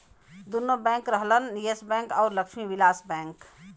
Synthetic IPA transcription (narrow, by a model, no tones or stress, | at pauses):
d̪unobɛ̃ŋkɾəɦlənijesbɛ̃ːŋkɔːɾləkʃmiwilaːsbɛ̃ːŋk